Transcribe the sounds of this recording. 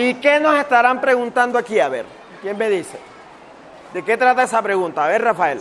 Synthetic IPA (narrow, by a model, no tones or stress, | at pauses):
ike̞no̞se̞st̪aɾampɾe̞ɣunt̪and̪oakiaβe̞̰ɾ | kje̞nme̞ðisḛ | d̪e̞ke̞t̪ɾat̪aesapɾeɣũnt̪aːβeɾrafael